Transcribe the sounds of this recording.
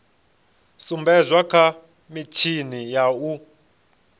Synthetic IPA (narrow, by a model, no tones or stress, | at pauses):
sumbɛzʷwakʰa | mit͡ʃʰinijau